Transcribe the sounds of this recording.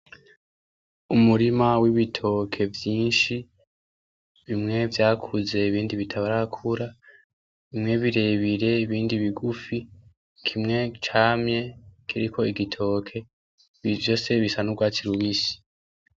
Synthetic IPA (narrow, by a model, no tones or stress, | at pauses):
umuɾimawiβitʰo̞kʰe̞vjiːnʃi | βimŋe̞vjaːkʰuze̞iβiːndiβitʰaβaɾakʰuɾa | βimŋe̞βiɾe̞βiɾe̞iβiːndiβiɡufi | kʰimŋe̞t͡ʃaːmɲe̞kʰiɾikʰo̞iɡitʰo̞ːkʰe̞ | βivjo̞se̞βisanuɡwaːt͡siɾuwisi̥